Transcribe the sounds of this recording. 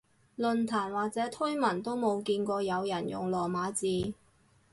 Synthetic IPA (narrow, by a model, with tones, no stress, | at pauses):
lɵ˨nt̪ʰaː˨˩nwaː˨k̚t͡sɛː˨˥t̪ʰɵ˥jmɐ˨˩nt̪o˥wmo˨˧wkiː˧nkʷɔː˧jɐ˨˧wjɐ˨˩njʊ̰˨˩ŋlɔː˨˩maː˨˧˥t͡siː˨˧